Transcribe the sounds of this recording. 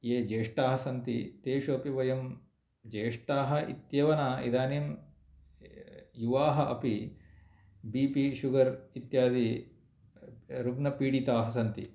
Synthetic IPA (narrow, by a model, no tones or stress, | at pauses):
jeːd͡ʒeːʂʈaːɦɐsɐnt̪it̪eːʃuɐpiʋɐjɐm | d͡ʒeːʂʈaːɦɐ̆ḭt̪jɐʋɐnaːḭd̪aːnim | juʋaːɦɐʔɐ̰pi | biːpiʃuɡɐɾit̪jaːd̪i | ɾubnɐpiːɽit̪aːɦɐ̆s̬ɐnt̪ḭ